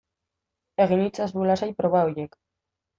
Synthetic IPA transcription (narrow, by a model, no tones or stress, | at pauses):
e̞ɣinit͡sazβulasajpɾo̞βaojek